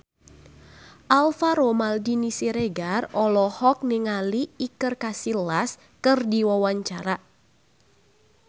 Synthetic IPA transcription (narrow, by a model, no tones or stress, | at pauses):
ʔalfaɾomaldinisiɾeɡarɔlɔhɔk̚nɪŋaliːkərkasilas | kɨrdiwawaɲt͡ʃaɾa